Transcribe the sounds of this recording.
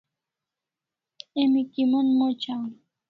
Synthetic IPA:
emikimonmot͡ʃaŋ

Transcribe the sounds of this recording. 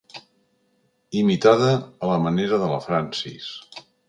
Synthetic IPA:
imit̪aðəːləməneɾəðələ̰fɾansḭs

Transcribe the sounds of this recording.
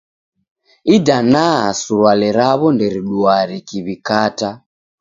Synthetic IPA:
idanaasuɾwalɛɾaβɔndɛɾiɗuaɾikiβikata

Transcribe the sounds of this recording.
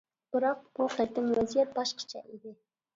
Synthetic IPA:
b̥ɨɾɑq̚buχɛt̪ʰːɪmwɛzijɛt̪̚bɑʃqʰɑ̥t͡ʃʰɛ̰ʔid̪ɪ

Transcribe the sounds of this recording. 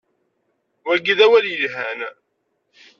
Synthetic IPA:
wæɡiðæwæljəlɦæ̰n

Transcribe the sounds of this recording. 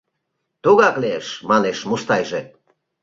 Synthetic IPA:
t̪uɣɑkleeʃmɑneʃmuʃt̪ɑjʒe

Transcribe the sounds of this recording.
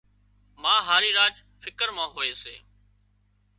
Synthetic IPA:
mãːɦaːɾiːɾaːd͡ʒ | fɪkəɾmãːɦoːeːsḛː

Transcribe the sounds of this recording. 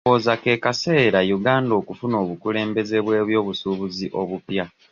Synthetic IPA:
oːzake̞kase̞ːɾajuɡaːndo̞ːkufuno̞ːβukule̞ːmbe̞ze̞βwe̞ːβjo̞ːβusuβuziʔo̞βupja

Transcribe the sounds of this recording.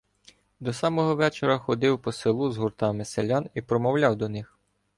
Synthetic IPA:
d̪ɔsɑmɔɦɔʋɛt͡ʃeɾɐxɔd̪ɪwpɔsɪlˠuzɦurt̪ɑmɪselʲɑnipɾɔmɔwlʲɑwd̪ɔnɪx

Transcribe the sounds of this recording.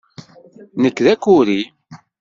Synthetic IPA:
nəkːðækːʊɾi

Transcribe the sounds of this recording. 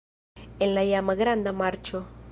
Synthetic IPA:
enlajamaɣɾand̪amaɾt͡ʃo

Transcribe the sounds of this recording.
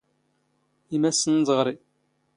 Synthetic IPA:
imæsənzˤʁɾˤi

